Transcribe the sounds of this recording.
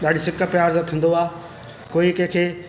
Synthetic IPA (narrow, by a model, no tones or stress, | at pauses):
ɗaːɗisɪkə̆pjaːɾzət̪ʰĩːn̆d̪oaː | koːikẽːkʰeː